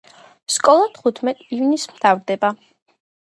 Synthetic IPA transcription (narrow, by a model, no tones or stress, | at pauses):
skʼɔlˠat̪ʰχut̪ʰmɛt̪ʼivnismt̪ʰavɾd̪ɛba